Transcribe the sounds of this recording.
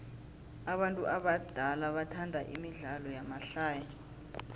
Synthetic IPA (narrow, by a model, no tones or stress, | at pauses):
aɓantʼuʔaɓad̥ʱalaɓatʰandʱaʔimiɮalɔjamaɬaːja